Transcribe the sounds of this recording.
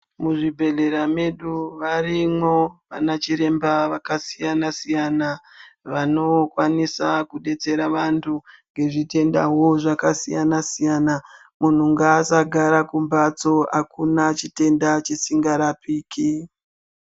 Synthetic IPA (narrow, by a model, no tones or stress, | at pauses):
muʐibʱe̞ɮe̞ɾame̞ɗuʋarimwo̞ʋa̰nat͡ʃiɾe̞mbaʋakasijanasijanaʋano̞kwanisakuɗe̞t͡se̞ɾaʋantʰuŋɡe̞ʐite̞nda̰ɦo̞ʐakasijanasijana | mun̤uŋɡaːsaɡʱaɾakumbat͡so̞akunat͡ʃite̞ndat͡ʃesiŋɡaɾapiːkʰi